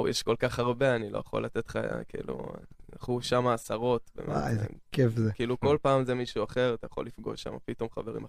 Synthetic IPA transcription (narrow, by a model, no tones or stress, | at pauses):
jeʃko̞lkaχaʁbe̞anilojaχo̰lat̪et̪χa̰a̰kḭlṵlaχuʃamaːsaʁo̞t̪bḛmeemkefzekiiːluko̞lpaːmzemiʃuaχe̞ʁat̪ajaχo̞̰lifɡo̞̰ʃːa̰ma̰pit̪o̞mχave̞ʁḭma